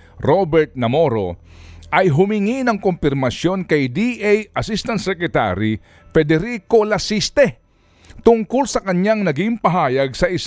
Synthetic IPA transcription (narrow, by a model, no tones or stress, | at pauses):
ɾobɛɾt̪̚nɐmo̞ɾo̞̰ʔɐjɦʊmɪŋinɐŋkompɪɾmɐsjo̞nkɐjd̪iʔejɐsist̪ɐnt̪sɛkɾɛt̪a̰ɾi | fɛd̪ɛɾiko̞lɐsist̪ɛ | t̪ʊŋkʊlsɐkɐɲaŋnɐɡimpɐɦaːjɐɡ̚sɐʔɪs